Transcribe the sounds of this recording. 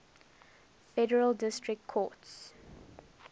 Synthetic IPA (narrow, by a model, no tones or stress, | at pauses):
fɛdəɹəlˠdɪstɹɪk̚tkʰɔts